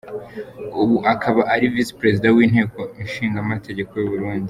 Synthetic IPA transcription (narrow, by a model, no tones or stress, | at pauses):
uβuʔakʰaβaʔaɾivisi̥pɾe̞zidawiːnhe̞ːko̞inʃiːŋɡamatʰe̞ɟe̞ko̞juβuɾuːndi